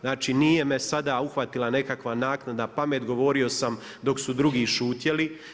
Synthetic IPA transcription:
znaːt͡ʃiniːjemesad̪auxʋat̪ilˠane̞kakʋanaːknad̪napameːt̪ɡo̞ʋo̞ːɾio̞sam | d̪o̞ksud̪ɾuɡiːʃuːt̪je̞li

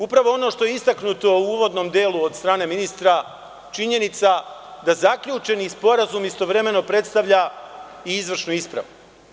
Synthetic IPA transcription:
upɾaʋo̞o̞no̞ʃt̪o̞jeist̪aknut̪o̞uuʋod̪no̞ːmd̪e̞ːlˠuod̪st̪ɾaːne̞minist̪ɾa | t͡ʃiɲe̞nit̪sad̪azakʎuːt͡ʃe̞nispo̞ɾazumist̪o̞ʋɾe̞me̞no̞pɾe̞t̪st̪aʋʎaiizʋr̩ʃnuispɾa̰ʋu

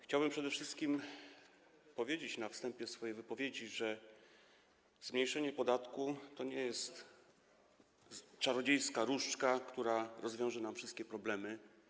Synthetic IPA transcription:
xt͡ɕawbɘmpʂɛd̪ɛfʂɘst̪̚kʲim | pɔvʲjed͡ʑet͡ɕnafst̪ɛmpʲjɛsfɔjejvɘpɔvʲjed͡ʑiʐɛ | zmɲejʂɛɲɛpɔd̪at̪kut̪ɔɲɛjɛst̪ | t͡ʂaɾɔd͡ʑejskaɾuʂt͡ʂkakt̪uɾaɾɔzvʲɔ̃w̃ʐɛnamfʂɘst̪̚kʲɛpɾɔblɛmɘ

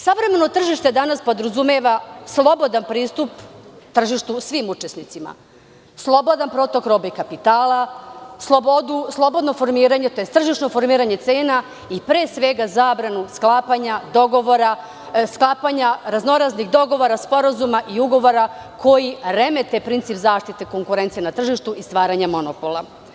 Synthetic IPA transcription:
saʋɾe̞me̞no̞t̪r̩ʒiʃt̪e̞d̪anaspo̞d̪ɾozumeʋaslˠo̞bo̞d̪anpɾiːst̪upt̪r̩ʒiʃt̪usʋimut͡ʃe̞snit̪sima̰ | slˠo̞bo̞d̪anpɾo̞t̪o̞kɾobekapit̪aːlaslˠo̞bo̞d̪uslˠo̞bo̞d̪no̞fo̞ɾmiːɾaɲe̞t̪o̞jest̪r̩ʒiʃno̞fo̞ɾmiːɾaɲe̞t̪se̞ːna | ipɾeːsʋe̞ɡazaːbɾanusklˠaːpaɲad̪o̞ɡo̞ʋoɾa | sklˠaːpaɲaɾazno̞ɾazniɣd̪o̞ɡo̞ʋo̞ɾaspo̞ɾazumaʔiuɡo̞ʋo̞ɾako̞jiɾeme̞t̪e̞pɾint̪sipzaːʃt̪it̪eko̞ŋkuɾe̞nt̪ijenat̪r̩ʒiʃt̪uist̪ʋaːɾaɲamo̞nopolˠa

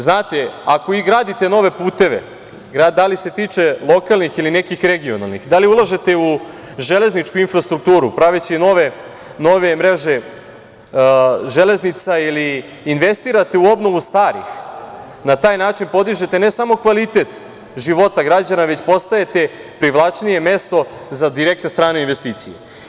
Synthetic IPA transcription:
znaːt̪eako̞iɡɾaːd̪it̪eno̞ʋe̞puːt̪e̞ʋḛ | ɡɾad̪alise̞t̪iːt͡ʂe̞lˠo̞kalˠnixiline̞kixɾe̞ɡio̞na̰lˠnḭxd̪aliulˠaʒe̞t̪e̞u | ʒele̞znit͡ʂkuinfɾast̪ɾuk̚t̪uːɾupɾaʋit͡ɕino̞ʋe | no̞ʋe̞mɾe̞ʒe | ʒe̞le̞znit̪sailiː | nʋe̞st̪iɾat̪e̞uo̞bno̞ʋust̪aːɾḭx | nat̪aːjnaːt͡ʂinpo̞d̪iʒe̞t̪e̞ne̞samo̞kʋalit̪e̞t̪ | ʒiʋo̞t̪aɡɾad͡ʑanaʋe̞t͡ɕpo̞st̪ae̞t̪e̞ | pɾiʋlˠat͡ʂnije̞me̞st̪o̞zad̪iɾe̞k̚t̪nest̪ɾaːneinʋe̞st̪iːt̪sijḛ

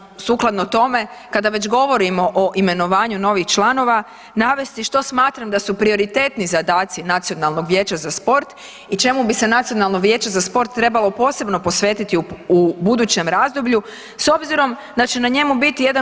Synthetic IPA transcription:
suːklˠad̪not̪o̞me̞ | kad̪aʋe̞t͡ɕɡo̞ʋo̞ɾimo̞ʔoʔime̞no̞ʋaːɲuno̞ʋixt͡ʃlˠano̞ʋa | naːʋe̞st̪iʃt̪o̞smaːt̪ɾamd̪asupɾio̞ɾit̪eːt̪nizad̪aːt̪sinat̪sio̞nalˠno̞ɡʋje̞ːt͡ɕazaspo̞ɾt̪ | it͡ʃe̞mubise̞nat̪sijo̞nalˠno̞ɡʋje̞ːt͡ɕazaspo̞ɾt̪ːɾe̞balˠo̞po̞ːse̞bno̞po̞sʋe̞ːt̪it̪iuubud̪uːt͡ɕe̞mɾazd̪obʎu | so̞bziɾo̞m | d̪at͡ʃe̞naɲe̞mubit̪ije̞d̪a

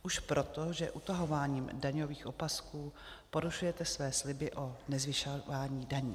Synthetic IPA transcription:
ʔuʃpɾʔot̪oʒɛʔut̪aɦo̞vaːɲiːmdaɲo̞viːxʔopaskuː | po̞ɾuʃujɛt̪ɛsvɛːslɪbɪʔo̞nɛzvɪʃaaːɲiːdaɲiː

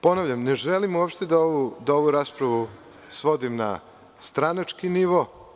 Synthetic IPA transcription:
po̞naʋʎamne̞ʒelimuwapʃt̪e̞d̪aoʋud̪aoʋuɾaːspɾaʋu | sʋo̞d̪imna̰ | st̪ɾanat͡ʃkiniʋo

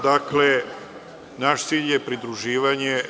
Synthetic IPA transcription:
d̪akle | naʃt̪siːʎje̞pɾid̪ɾuʒiːʋaɲe

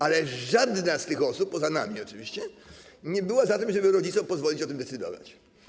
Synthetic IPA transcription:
alɛʐad̪nast̪ɘxɔsupːɔzana̰mʲiɔt͡ʂɨvʲiɕt͡ɕɛɲɛbɘwazat̪ɘmʐɛbɘɾɔd͡ʑitsɔmpɔzvɔlʲit͡ɕɔt̪ɘmd̪ɛt̪sɨd̪ɔ̰va̰t͡ɕ

